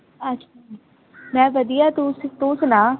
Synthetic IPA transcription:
ətːʃʰai | mɛ̃ːʋəd̪ijaːt̪uːsɪt̪oːsnãː

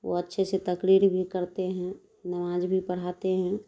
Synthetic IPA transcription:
ʋo̰ətːʃʰeset̪ɐkɾiːɾbʱikəɾt̪eɦɛ̃ | nɐmaːd͡ʒbʱipəɽ̤at̪eɦɛ̃

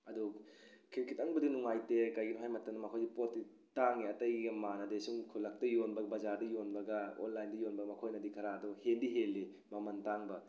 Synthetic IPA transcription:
ɐdukʰiɾkʰitɐŋbɐdinuŋajtekajɡinuɦajmɐtːɐnɐmɐkʰojdipotːi | taŋiɐtɐjɡɡɐmanɐdesuŋkʰulɐk̚tɐjonbɐɡbɐzadɐjonbɐɡɐo̰nlajndɐjonbɐɡɐmɐkʰojnɐdikʰɐɾaːduhendiɦelːi | mɐmɐntaŋbɐ

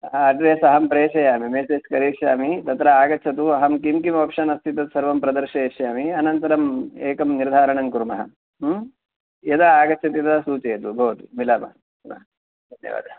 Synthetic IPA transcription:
ɐʈɾeːsɐɦɐmpɾeːʃɐjaːmimeːseːskɐɾiːʃjaːmit̪ɐt̪ɾɐaːɡɐːt͡ʃʰɐt̪̬uɐɦɐmkimkimʋɐpʂɐnɐst̪ʰit̪ɐt̪sɐɾʋɐmpɾɐd̪ɐɾʃɐeʃjaːmiɐnɐnt̪ɐɾɐmeːkɐmniɾd̪ʱaːɾɐɳɐŋkuɾmɐɦɐ | jɐd̪aaːɡɐːt͡ʃʰɐt̪id̪ɐsuːt͡ʃeːɐt̪ubʱɐːʋɐt̪umilaːbɐ̰ | nɐ̰ | d̪ʱɐnjɐ̰ʋa̰ːd̪ʱɐ

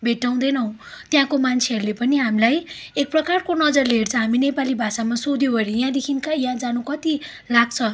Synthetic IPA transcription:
bʱeʈːaw̃d̪ʌjnʌw̃t̪jãkomant͡sʰeɦʌɾulepʌniɦamilajek̚prʌkarkonʌd͡zʌrleɦert͡sʰʌ̃ɦaminepalibʱasamasod̪jobʱʌɾijãd̪ekʰinkajãd͡zanukʌt̪i | laɡ̚t͡sʰʌ

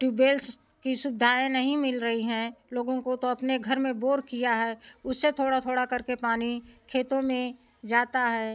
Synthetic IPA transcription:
ʈuːbeːls | kiʃʊbɪd̪ʱaːenɐɦĩmɪlɾəɦiɦɛ̃loːɡõkot̪oɐpneɡʱɐɾmẽboːɾkijaɦɛːʊsːet̪ʰoːɽat̪ʰoːɽakɐɾkepaːnikʰeːt̪õmẽ | d͡ʒaːt̪aɦɛː

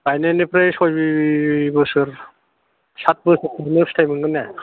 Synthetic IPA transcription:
ajnenepɾejsɔjbibɯsɯɾ | sat̚bɯsɯtʰɯnekstʰajmɯŋɡɯne

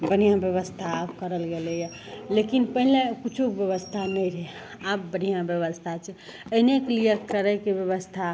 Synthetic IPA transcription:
bən̤ijãbjəβəst̪ʰaːbkəɾəlɡelɛjə | lekinpəɦilekut͡ʃʰukbjəβəst̪ʰanəjɾe | ab̚bən̤ijãbjəβəst̪ʰat͡ʃʰɛəneklijekəɾəkebjəβəst̪ʰa

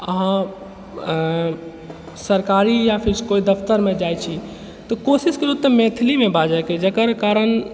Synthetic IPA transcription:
ə̰ɦã | səɾkaɾijapʰiɾskoid̪əfʰt̪əɾmed͡ʒajt͡ʃʰi | t̪ɔkosiskeɾupt̪əmẽt̪ʰilimebʱad͡ʒajked͡ʒəkəɾkaɾən

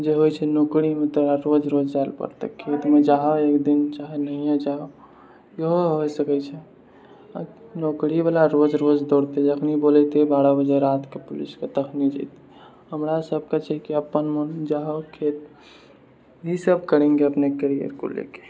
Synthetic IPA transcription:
d͡ʒeɦojt͡ʃʰɛnokɽimẽt̪oɾaɾod͡ʒɾod͡ʒd͡ʒalpə̰ɾt̪ḛkʰːet̪med͡ʒaɦɔekd̪int͡ʃaɦenəɦijẽd͡ʒaɦo | jəɦoɦojsəkɛt͡ʃʰɛ | nokɽibalaɾod͡ʒɾod͡ʒd̪oɽt̪ed͡ʒəkʰnibolɛt̪ebaɽəbəd͡ʒeɾat̪kepʊlḭsket̪əkʰnid͡ʒa̰t̪i | ɦəmɾasəb̚ʱket͡ʃʰɛkiəpːənmənd͡ʒaɦokʰet̪ | ɦisəb̚kəɾẽŋɡeəpnekəɾijə̰ɾko̰lḛke̥

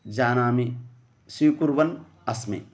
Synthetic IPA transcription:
d͡ʒaːnaːmi | siːkuɾʋɐn | ɐsmḭ

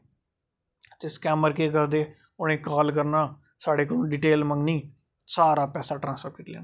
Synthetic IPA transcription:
t̪eːskɛːməɾkeːkəɾd̪eː | ʊñẽːkaːlkəɾnaː | saːɽeːkonũːɖɪʈeːlməŋɡniː | saːɾaːpɛːsaːʈɾãːnsfəɾkɪʈlḛːna

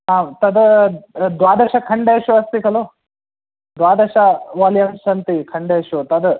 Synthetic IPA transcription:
ɦaːt̪ɐd̪ | d̪ʋaːd̪ɐʃɐkʰɐɳɖeːʃuɐst̪ikʰɐlo | d̪ʋaːd̪ɐʃɐʋaːljɐmsɐnt̪ikʰɐɳɖeːʃut̪ɐd̪

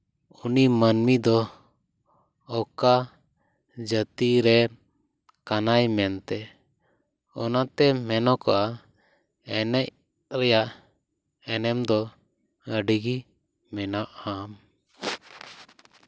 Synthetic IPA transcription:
unimənmid̪ɔ | ka | d͡ʒət̪iɾɛ | kanajmɛnt̪ɛ | ɔnat̪ɛmɛnɔkɔʔa | ɛnɛc | ɾɛjaʔ | ɛnɛmd̪ɔ | əɖiɡi | mɛnaʔam

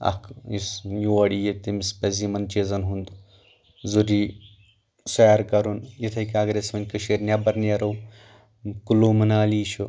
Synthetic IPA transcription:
ɐ̰kʰisjuɐɽijet̪imispɐzimɐnt͡ʃeːzɐnɦund̪ | zuɾiː | sɐaɾkɐɾunjit̪ʰɐjkaːɡɾesmɐnʲkɨʃeɾnʲabɐɾnɐɾɐw | kulumɐnaːliːt͡ʃʰu

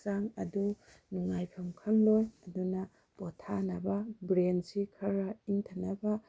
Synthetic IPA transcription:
saŋɐ̰du | nuŋajpʰamkʰanlɔjɐduna | b̥ɔtʰanababɾensikʰaɾaintʰanaba

